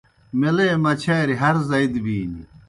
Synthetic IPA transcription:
meleːmɐt͡ɕʰɐːɾiɦɐɾzɐid̪biːnḭ

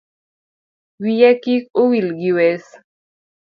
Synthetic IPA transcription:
wijɛkikowilɡiwɛs

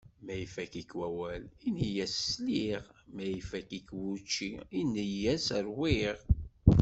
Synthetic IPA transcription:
mæjifækikwæwælinhijæssliʁmæjifækikwut͡ʃːiinːəjæsəɾwiʁ

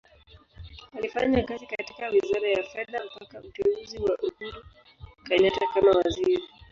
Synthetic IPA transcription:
alifaɲakazikati̥kawizaɾajafɛðam̩pakautɛuziwaʔuhuɾu | kaɲatakamawaziɾi

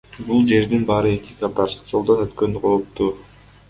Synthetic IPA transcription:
bulˠd͡ʒe̞ɾd̪inbɑːɾɯe̞kikat̪ɑɾd͡ʒo̞lˠd̪onøt̪kø̞nyqʰoɾut̪ːu

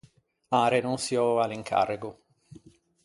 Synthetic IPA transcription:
aːɾenunsiɔaliŋkʰa̰rɪɡʊ

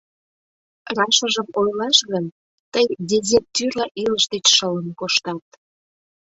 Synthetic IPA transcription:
rɑʃəʒəmojlɑʃɣən | t̪əjd̪ʲezet̪yrlɑʔiləʃd̪et͡ɕʃələnkoʃt̪ɑt̪̚

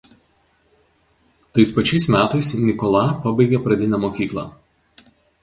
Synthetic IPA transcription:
t̪ɐɪspɐt͡ʃʲɛɪsmʲæːt̪ɐɪsnʲɪkɔlˠɑpɐbɐɪɡʲɛpɾɐd̪ʲɪnʲɛmoːkʲiːklˠɑ̰ː

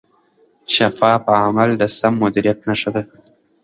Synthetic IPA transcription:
ʃafɑpəamald̪əsamːʊd̪iɾjat̪naʂad̪a

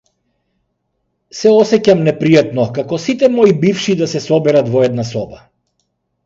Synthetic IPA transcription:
sɛɔsɛcamnɛpɾijat̪nɔkakɔsit̪ɛmɔibifʃid̪asɛsɔbɛɾat̪vɔɛd̪nasɔba

